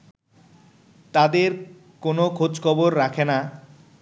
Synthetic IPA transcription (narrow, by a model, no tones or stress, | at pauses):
t̪ad̪eɾ | konokʰod͡ʑkʰɔboɾːakʰena